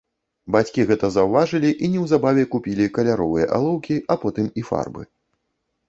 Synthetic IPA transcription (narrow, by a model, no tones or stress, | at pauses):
bat͡sʲkʲiɣɛt̪ɐzɐwvaʐɨlʲiʔinʲɛwzabavʲɛkupʲilʲikɐlʲaɾɔvɨjɐ̰ʔa̰lˠɔwkʲiʔapɔt̪ɨmifa̰rbɨ̰